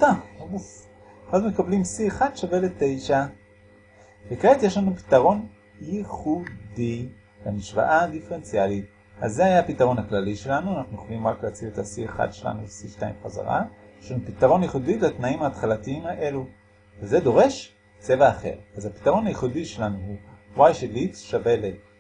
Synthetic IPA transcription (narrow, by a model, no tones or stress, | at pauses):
tauf | χazmekablimsieχad̪ʃavelete̞jʃa | bekʁetjeʃlanupi̥taʁo̞n | jiχudi | lemiʃva̰ʔadifeʁent͡sialit | azːeajapitaʁo̞naklaliʃe̞lanuanaχnujoχalimʁakleat͡siletasieχa̰dʃe̞la̰nulesiʃta̰ḭmχaza̰ʁa̰ | jeʃlanupit̪aʁo̞najiχudiletnaimaːtχalatiimhaʔe̞lu | veze̞do̞ʁe̞ʃ | t͡se̞vaːχe̞̰ʁazhapi̥taʁo̞najiχudiʃe̞lanuhuwajʃelitʃavele